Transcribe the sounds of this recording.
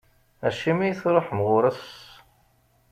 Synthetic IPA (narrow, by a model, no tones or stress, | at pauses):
æʃimæjθɾˤoħmʁʊɾəs